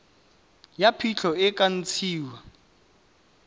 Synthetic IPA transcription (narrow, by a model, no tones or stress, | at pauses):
japʰit͡ɬʰɔɪkʼan̩t͡sʰiːwa